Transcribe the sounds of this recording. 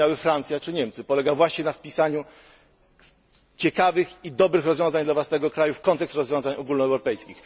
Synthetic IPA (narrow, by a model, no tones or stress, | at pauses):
awɘfɾant̪sjat͡ʂɘɲɛmt̪sɘpɔlɛɡavwaɕɲɛnafpʲisaɲu | t͡ɕɛkavɘxid̪ɔbɾɘxɾɔzvʲɔ̃w̃zaɲd̪lavwasnɛɡɔkɾajufkɔnt̪ɛkst̪ɾɔzvʲjɔ̃w̃zaɲɔɡulnɔɛwɾɔpɛjskʲix